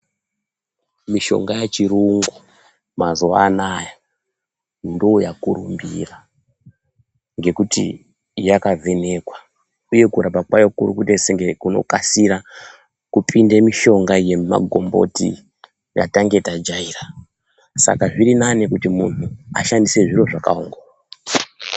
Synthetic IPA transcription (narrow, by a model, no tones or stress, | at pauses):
miʃo̞̰ŋɡajet͡ʃiɾuŋɡu | mazoa̰naja | ndojakuɾumbḭra | ŋɡe̞kutḭ | jakavʱe̞ne̞kwa | uje̞kuɾabakwajokuɾukuteseŋɡekuno̞̰kasiɾa | kupʰindemiʃo̞ŋɡaje̞ma̰ɡʱo̞̰mbo̞̰ti | ja̰taŋɡe̞tad͡ʒaira | sa̰kaʐiɾinanekutimunuaʃandise̞ʐiro̞ʐakauŋɡo